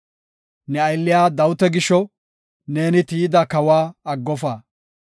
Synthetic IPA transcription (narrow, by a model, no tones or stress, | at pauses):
nɛɐjlːɪjaːd̪ɐwʊt̪ɛɡɪʃːɔ | ne̞ːnɪt̪iːjɪd̪ɐkɐwaːɐɡːɔfaː